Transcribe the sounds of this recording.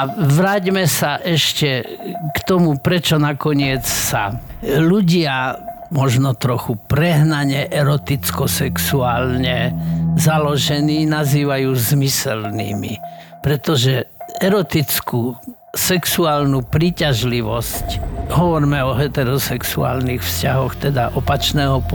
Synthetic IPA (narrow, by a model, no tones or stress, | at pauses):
aʋɾaːɟmɛsaʔɛʃcɛkt̪ɔmupɾɛt͡ʃɔnakɔɲɪɛt͡ssa̰ | luɟɪa | mɔʒnɔt̪ɾɔxupɾɛɦnaɲɛʔɛɾɔt̪it͡skɔsɛksuaːlɲɛzalɔʒɛniːnaziːʋajuːzmisɛlnḭːmḭ | pɾɛt̪ɔʒɛɛɾɔt̪it͡sku | sɛksuaːlnupɾiːcaʒliʋɔscɦɔʋɔɾmɛɔɦɛt̪ɛɾɔsɛksua̰ːlnixfscaɦɔxt̪ɛd̪aʔɔpat͡ʃnɛːɦɔp